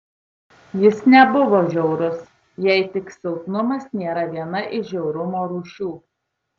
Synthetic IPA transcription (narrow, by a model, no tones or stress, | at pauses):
jɪsnʲɛbʊʋoːʒʲɛʊɾʊs | jɛɪt̪ʲɪksʲɛʊt̪nʊmɐsnʲeːɾɐʋʲiɛnɐʔɪʃʒʲɛʊɾʊmoːɾuːʃʲuː